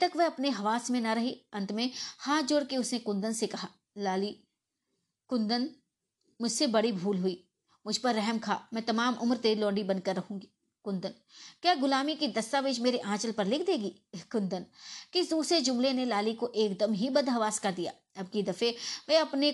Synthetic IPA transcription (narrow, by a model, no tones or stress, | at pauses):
t̪ɐkʋɛɦɐpneɦɐʋaːsmẽnɐɾɐɦiɐ̃nt̪mẽhãːd͡ʒʊɽkeʊsnekʊ̃nd̪ənsekɐɦaː | laːli | kʊ̃nd̪ən | mʊd͡ʒʱsebɐɽibʱuːlɦʊiː | mʊd͡ʒʱpɐɾːɛɦmkʰa̰ːmɛ̃ːt̪ɐmaːmʔʊmɾt̪eːɾilɔ̃ːɳɖibɐ̃n̚kɐɾːɐɦũːɡiː | kʊ̃nd̪ən | kjaːɡʊlaːmikid̪ɐst̪aːʋeːd͡ʒmeːɾeʔãːt͡ʃəlpɐɾlɪkʰd̪eːɡiː | kʊ̃nd̪ənkiɪsd̪uːsɾed͡ʒʊmlenelaːlikoʔeːkd̪əmɦibɐd̪ɦɐʋaːskɐɾd̪ija̰ː | ɐb̚kid̪ɐfeʋɛɐpne